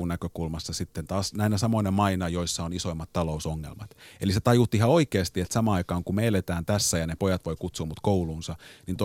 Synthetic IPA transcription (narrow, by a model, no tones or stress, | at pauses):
nækøkulmɑsːɑsit̪ːent̪ɑːsnæinæsɑmoinemɑinɑjo̞isːɑoniso̞imːɑt̪t̪ːɑlo̞usoŋːḛlmɑt̪eliset̪ɑjut̪ːiihɑo̞ikeːst̪iet̪sɑmɑɑikɑːŋkumeːlet̪æːnt̪æsːæjɑnepojɑt̪ʋo̞ikut̪suːmut̪kouluːnsɑnint̪o